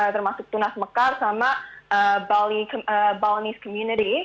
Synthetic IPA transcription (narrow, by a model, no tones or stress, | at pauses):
ət̪ərmasʊk̚t̪unasməkarsamaəbalikəbalniskɔmjuniɾi